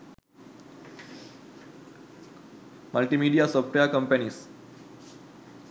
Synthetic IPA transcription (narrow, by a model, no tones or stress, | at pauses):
məlʈimiːɖiasɔfʈejakə̃mpənis